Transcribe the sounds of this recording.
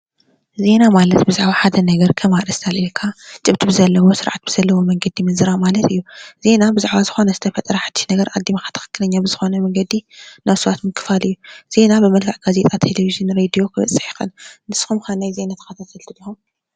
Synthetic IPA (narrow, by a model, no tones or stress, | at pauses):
ze̞namalɐt̪bɨzaʕβaħad̪ɐnɐɡɐɾkʰɐmaɾɐst̪ʰalʔilkʰat͡ʃʼɨβt̪ʰibɨzɐlːɐwo̞sɨɾʕat̪̚bɨz̥ɐlːɐwo̞mɐŋɡɐd̪imɨzɨɾamalɐt̪ʰɨjːuz̥e̞nabɨzaʕβazɨxo̞nɐzɨt̪ʰɐfɐt̪ʼɾɐħad̪̥ːi̥ʃnɐɡɐɾʔad̪ːimaxḁt̪ʰɨ̥xɨ̥kːɨnɐɲːabɨzɨxo̞nɐmɐŋɡɐd̪inaβsɐβat̪mɨkʰːɨ̥falɨjːuz̥e̞nabɨmɐlkʰaʕɡ̥aze̞t̪ʼat̪ʰelevizɨnɾed̪ijo̞kʰɨβɐ̰t͡sʼɨ̥ħi̥xɨ̰nnɨsxumxanajze̞nat̪ʰɐ̥xɐt̪ʰat̪ʰɐlt̪ʰɨlːɐxum